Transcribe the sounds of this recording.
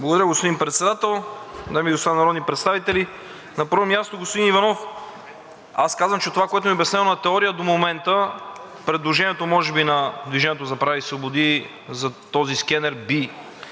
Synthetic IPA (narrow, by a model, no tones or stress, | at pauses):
blˠɐɡod̪ɐɾəɡospod̪imnpɾɛt̪sɛd̪at̪ɛlˠd̪amiɡosanɐɾɔd̪nipɾɛt̪st̪avit̪ɛli | nɐpəɾvomʲjast̪oɡospod̪inivɐnɔf | askazvəmt͡ʃɛt̪ovakoɛt̪omiobɛsnɛonɐt̪ɛɔɾiəd̪omomɛnt̪ə | pɾɛd̪lˠoʒɛnʲiɛt̪omɔʒɛbinɐd̪viʒɛniɛt̪oʊzɐpɾavisvobod̪i | zɐt̪ɔziskɛnɛɾbi